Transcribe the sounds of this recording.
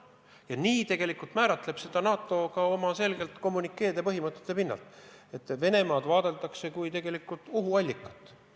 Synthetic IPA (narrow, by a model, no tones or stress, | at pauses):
jɑniːt̪e̞ɡ̥e̞likult̪mæːɾɑt̪le̞b̥se̞d̪̥ɑnɑːt̪ːˑo̞kɑo̞mɑse̞lɡ̥e̞lt̪ko̞mːunikːe̞ːd̪epɤɦimɤt̪ːˑet̪ːˑe̞pinːɑ̰lt̪ˑe̞t̪ːve̞ne̞mɑːd̪̥vɑːd̪̥e̞lt̪ˑɑkse̞kujt̪e̞ɡ̥e̞likːˑult̪ˑuɦuɑlʲːikːˑɑ̥t̪ːˑ